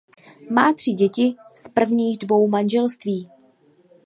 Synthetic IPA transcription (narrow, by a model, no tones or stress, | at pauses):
maːt̪r̝̥ɪɟɛcɪspr̩vɲiːɣdvo̞wmanʒɛlst̪viː